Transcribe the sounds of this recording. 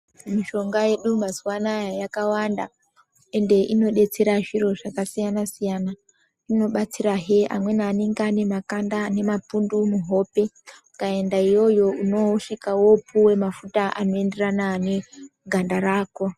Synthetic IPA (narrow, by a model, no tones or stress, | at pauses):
miʃo̞ŋɡaje̞ɗumaziwanajajakawanda | e̞nde̞ʔino̞ɗe̞t͡se̞ɾaʐiɾo̞ʐakasijanasijana | rino̞ɓat͡siɾaɦe̞a̰mwe̞naːneŋɡane̞makandane̞mapundumuɦo̞pe̞ | ukae̞ndaijo̞jo̞uno̞ʂikawo̞puwe̞mafutaʔa̰no̞e̞nde̞ranane̞ɡʱandaɾaːko̞